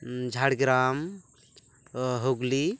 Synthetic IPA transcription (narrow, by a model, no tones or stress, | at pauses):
d͡ʒʱaɽɡɾam | ɦoɡli